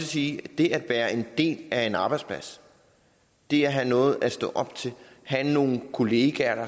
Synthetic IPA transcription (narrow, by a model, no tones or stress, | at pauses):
siːd̥e̝ʔæd̥ʋæːɐʔe̝nd̥e̝̰ːlæe̝nɑ̈ːb̥ɑɪ̥spʰlæs | d̥e̝æɦænɔ̽ːð̞̩ˠʔæ̥sd̥ɔ̰̽ʔɒ̽b̥̚t͡sʰe̝ | hæno̝ːn̩kʰo̝le̝ːɡ̥æɐɐ